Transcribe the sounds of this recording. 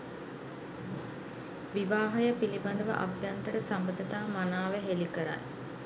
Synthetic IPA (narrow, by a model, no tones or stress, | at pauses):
ʋiʋaːɦəjəpiliband̪əʋə̰ʔa̰bjant̪əɾəsambəd̪ət̪aːmanaːʋeɦelikəɾa̰j